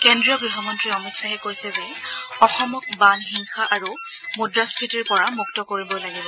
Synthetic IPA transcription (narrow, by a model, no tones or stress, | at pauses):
kendɹijɔɡɹiɦɔmɔntɹiɔmitsaɦɛkojsɛzɛɔxɔmɔk̚banxiŋxaʔaɹu | mudɹaskʰɹitiɹpɔɹamuktɔkoɹibɔlaɡibɔ